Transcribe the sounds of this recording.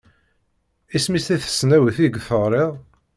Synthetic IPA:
ismist̪æθə̥snæwəθiɡθəʁɾˤɪʁˤ

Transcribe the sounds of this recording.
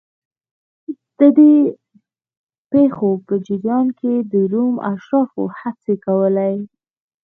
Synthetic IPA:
d̪̥əd̪e | pexopəd͡ʒɪɾjɑnked̪əɾuma̰ʃɾɑfo̰hat͡sekawəlaj

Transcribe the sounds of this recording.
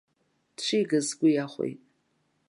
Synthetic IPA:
d̥t͡ʃʷʰiɡɨzɡʷʊjaχʷḛjtʼ

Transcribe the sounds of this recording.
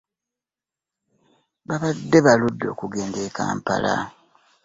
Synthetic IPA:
baβadːe̞βaludːo̞ːkuɡe̞ːnde̞ka̰ːmpa̰la

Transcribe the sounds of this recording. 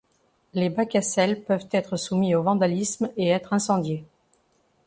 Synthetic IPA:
lebakasɛlpœvt̪ɛt̪χəsumiovɑ̃d̪alismeɛt̪χɛ̃sɑ̃d̪je

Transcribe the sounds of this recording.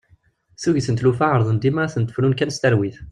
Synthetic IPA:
θuʝiθənt̪lufaʕəɾˤðˤənd̪imaɾaθənt̪ːə̥flunkænst̪æɾwiθ

